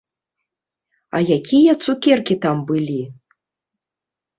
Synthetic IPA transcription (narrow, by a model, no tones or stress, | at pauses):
ɐ̰jakʲijɐt̪sukʲɛrkʲit̪ambɨlʲi